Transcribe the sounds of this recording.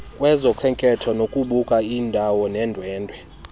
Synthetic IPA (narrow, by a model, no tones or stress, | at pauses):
kʼwɛzɔkʰwɛŋkʼɛtʰɔnokʼuɓukʼaiːndʱawɔnɛndʱwɛːndʱwɛ